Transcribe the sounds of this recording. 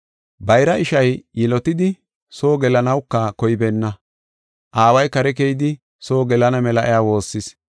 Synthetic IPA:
bɐjɾɐʔɪʃɐjjɪlɔt̪ɪd̪ɪ | so̞ːɡɛlɐnɐwkːɐkɔjbɛnːɐ | ʔaːwɐjkɐɾɛk̬ɛjɪd̪ɪ | so̞ːɡɛlɐnɐmɛlɐʔɛ̰jaːwo̞ːsːɪs

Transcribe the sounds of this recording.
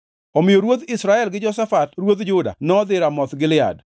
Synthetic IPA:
ɔmɪjoɾwot̪ɪsɾaɛlɡɪd͡ʒɔsafatrwot̪d͡ʒʊda̰nɔd̪ɪɾamɔt̪ɡɪlɪa̰d

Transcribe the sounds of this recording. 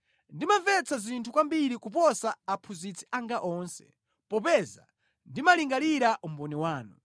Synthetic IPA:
ndimaɱvɛt͡sʰazintʰukwambiɾikupɔsaːpʰuzit͡sʰi̥ʔaŋɡaʔɔnsɛ̥̰ | pɔpɛza̰ | ndimaliŋɡaliɾaʔum̩bɔnɛwaːnṵ

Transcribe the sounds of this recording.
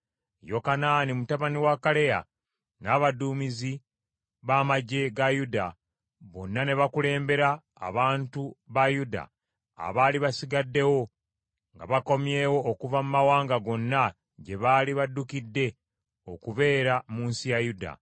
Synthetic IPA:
jo̞kanaːnimutaβaniwakale̞ja̰ | naːβaduːmizi | βaːmaɟe̞ɡajuda | βo̞̰nːane̞βakule̞ːmbe̞ɾa̰ː | βaːntuβajuda̰ː | βaːliβasiɡadːe̞wo̞ | ŋɡa̰βako̞mje̞ːwo̞ːkuvamumawaːŋɡaɡo̞nːa | ɟe̞βaːliβadːukidːe̞ | okuβe̞ːɾamuːnsijajuda̰

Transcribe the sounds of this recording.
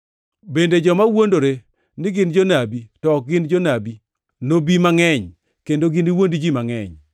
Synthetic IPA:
bended͡ʒɔmawondoɾe | nɪɡɪnd͡ʒonabitɔk̚ɡɪnd͡ʒonabi | nobimaŋɛɲ | kendoɡɪniwondd͡ʒimaŋɛ̰ɲ

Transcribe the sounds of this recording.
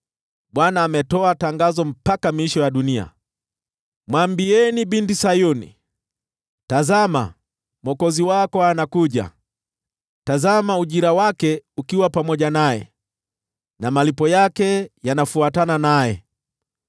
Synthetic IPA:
ɓwanaːmɛtɔataŋɡazɔm̩pakamiʃɔjaɗunia̰ | mwambiɛniɓindisajunḭ | tazama̰ | mwɔkɔziwakɔanakuʄa̰ | tazamauʄiɾawakɛukiwapamɔʄanajɛ̰ | namalipɔjakɛjanafuatananajɛ

